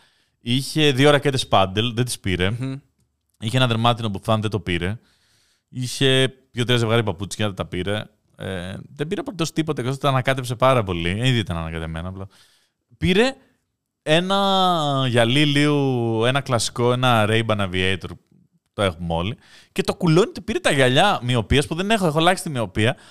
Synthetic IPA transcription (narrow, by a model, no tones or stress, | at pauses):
içe̞ðioɾɐce̞t̪e̞spɐnd̪e̞lðent̪i̥spiɾe̞ | içeenɐðeɾmɐt̪inopufɐnðed̪t̪o̞piɾe̞ | içe̞pçot̪ɾizevɣɐɾipɐput͡si̥cenɐðt̪ɐpiɾe̞ | ḛðe̞biɾepot̪eost̪ipo̞t̪ɐekt̪ot̪ɐnɐkɐt̪e̞pse̞pɐɾɐpo̞lieniðiit̪ɐnɐnɐkɐt̪eme̞̰nɐplɐ | piɾe̞ | e̞nɐʝɐliliue̞nɐklɐsi̥ko̞e̞nɐɾeibɐnɐviejt̪o̞ɾ | t̪oe̞xomo̞li | ce̞t̪o̞kuloinit̪ipiɾet̪ɐʝɐʎɐmio̞piɐspuðe̞nexoexo̞lɐçsi̥t̪imio̞piɐ